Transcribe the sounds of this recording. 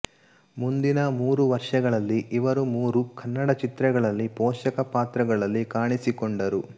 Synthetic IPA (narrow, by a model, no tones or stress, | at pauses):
mund̪inɐmuːɾuʋɐɾʂɐɡɐɭɐlːiʔːʋɐɾumuːɾukʰɐnːɐɽɐt͡ʃit̪ɾɛɡɐɭɐlːipɔːʃɐkɐpaːt̪ɾɐɡɐɭɐlːikaːɳisikoɳɖɐɾu